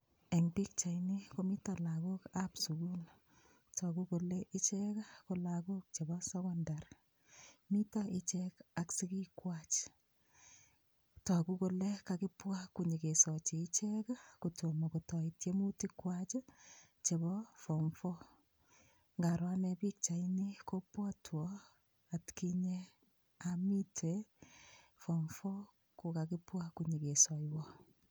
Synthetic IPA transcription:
e˨ŋpi˦k̚t͡ʃa˨jni˦ko˦mi˦tɔ˨la˨ku˦kapsu˨ɡu˦l | tʰɔ˨ku˦ko˨lɛ˦ʔɪ˦t͡ʃɛ˦ka˦ko˨laku˦k̚t͡ʃe˨bɔ˦sɛkɔndaɾ | mi˦ta˦ʔɪ˦t͡ʃɛka˨ksi˦ki˦kwat͡ʃ | tɔ˨ku˦ko˨le˦kakɪ˦pwa˦kːuɲi˨ke˨sɔ˨t͡ʃiː˨˦t͡ʃɛ˦ka˦kuto˨mo˨ko˨tɔ˨itje˦mu˦ti˦kwa˦t͡ʃ | t͡ʃe˨bɔ˦fɔ˨mfɔ˦ | ŋɡa˨ɾwa˦nɛ˦pi˦k̚t͡ʃa˨ini˦ko˦pwɔ˦twɔ | a˨tki˦ɲe˦ | ami˦tʰe | fɔ˨mfɔ˦ | ku˨kakɪ˦pwa˦ku˨ɲi˨ke˨sɔ˨jwɔ˦

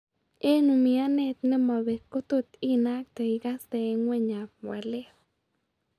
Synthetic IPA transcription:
e˦nu˧mi˧a˦ne˧t̪ne˦˧ma˨βe˨ku˦t̪u˧t̪i˦na˦k̚t̪a˧i˧ɡa˦st̪e˧ŋwe˦ɲa˨wa˨le˦

